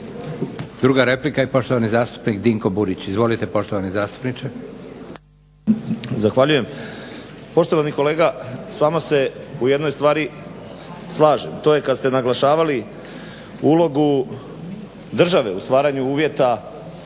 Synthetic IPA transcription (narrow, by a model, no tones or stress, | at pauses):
d̪ɾuːɡaɾeplikajepo̞ʃt̪oʋanizaːst̪u̥pnikd̪iŋko̞buɾit͡ɕizʋo̞lit̪epo̞ʃt̪oʋanizaːst̪u̥pnit͡ʃe | zaxʋaʎuje̞m | po̞ʃt̪o̞ʋaniko̞le̞ːɡasʋaːmase̞uje̞d̪no̞jst̪ʋaːɾi | slˠaːʒemt̪o̞je̞kad̪st̪e̞naɡlˠaʃaːʋali | uːlo̞ɡu | d̪r̩ʒaʋe̞ust̪ʋaːɾaɲuuːʋje̞t̪a